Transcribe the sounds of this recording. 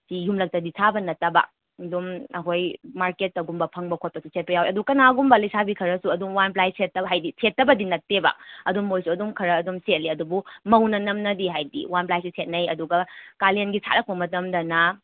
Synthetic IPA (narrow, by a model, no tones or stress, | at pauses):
sijumlɐk̚tɐditʰabɐnɐtɐbɐ̰ | dumɐɦojmaɾket̚ːɐwɡumbɐpʰɐŋbɐkʰot̚pɐsusʰet̚pɐjaweɐdukɐnaɡumbɐlɐjsabikʰɐɾɐsuɐdumwanp̬lajsetːɐɦajdisʰetːɐbɐdinɐk̚tebɐ̰ɐdumːojsuɐdumkʰɐɾɐːdumset̚liɐdubumɐwnɐnɐmnɐdiɦajdḭwanplajsisʰet̚nɐjɐduɡɐkalienɡisʰa̰ɾɐk̚pɐmɐtɐmdɐnɐ